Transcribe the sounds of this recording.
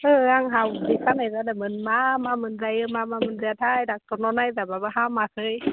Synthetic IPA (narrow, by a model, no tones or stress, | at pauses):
ʔɤːaŋɦawdikʰanːazadamɯnmaːmaːmɯnzajʔɯːmaːmaːmɯnsit̪ʰaːjdak̚t̪onɔnajzababaɦaːmaːkʰɤːj